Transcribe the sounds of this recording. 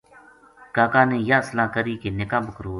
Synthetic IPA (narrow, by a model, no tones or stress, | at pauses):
kaːkãːnẽːjãːslãːkəɾiːkeːnɪkãːbəkɾoː